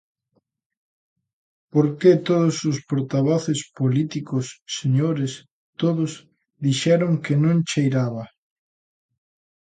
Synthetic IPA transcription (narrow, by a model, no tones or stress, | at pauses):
poɾket̪oðʊsʊspoɾt̪aβoθɪspolit̪ikʊsːeɲoɾɪs | t̪oðʊs | ðiʃɛɾoŋkenõŋt͡ʃejɾaβɐ